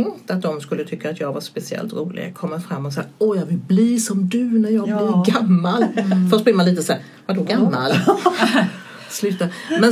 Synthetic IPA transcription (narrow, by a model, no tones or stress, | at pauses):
ŋt̪at̪̚d̪ɔmskɵlːət̪ʰʏkːaːt̪jɑːɡvaspɛsɪɛ̰lt̪ɾuːlɪ̰ɡa̰kʰɔmːafɾamːɔsaaɔjɑːɡvɪlbliːʂɔmd̪ɵnæɾjɑːɡjbblɪɾɡamːalfœʂbɪːmanliːt̪əsa | vadɵɡamːa̰l | slʉ̟ːt̪ːamɛn